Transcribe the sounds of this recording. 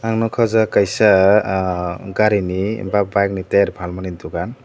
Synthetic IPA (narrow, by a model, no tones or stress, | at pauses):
aŋnɔkʰɔzakajsa | ɡaɾinibabajkniteɾbʰʱalmanind̪uɡan